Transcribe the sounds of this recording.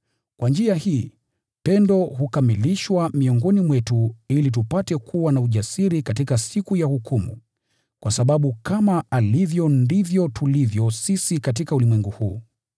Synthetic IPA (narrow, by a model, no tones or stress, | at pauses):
kwand͡ʒiahiː | pɛndɔhukamiliʃwamiɔŋɡɔnimwɛtuilit̬upatɛkʰuwanauʄasiɾikatikasikujahukʰumṵ | kwʔasaɓaɓukamaʔalivjɔndivjɔtulivjɔsisikatikaulimwɛŋɡuhuː